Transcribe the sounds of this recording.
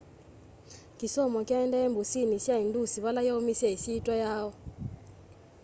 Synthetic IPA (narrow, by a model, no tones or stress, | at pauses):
kisɔmɔkjaɛndɛembusinisjaindusiβalajaumisjaisiːtʼwajaːɔ